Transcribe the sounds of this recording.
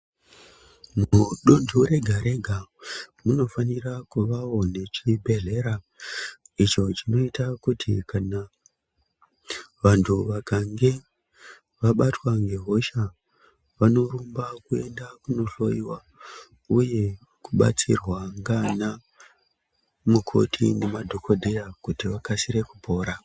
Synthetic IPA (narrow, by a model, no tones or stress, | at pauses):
muɗondʱuɾe̞ɡʱaɾe̞ɡʱamuno̞fanirakuʋaone̞t͡ʃibʱe̞ɮe̞ɾa | it͡ʃo̞t͡ʃino̞itakutʰḭkana | ʋantʰuʋakaŋɡe̞ | ʋaɓatwaŋɡe̞ɦo̞ʃa | ʋano̞ɾumbakue̞ndakuno̞ɬo̞iwa | uje̞ | kuɓa̰t͡sḭrwaŋɡana | mukʰo̞̰tʰḭnemadʱo̞kʰo̞dʱejakutiʋakasiɾe̞kupo̞ːɾa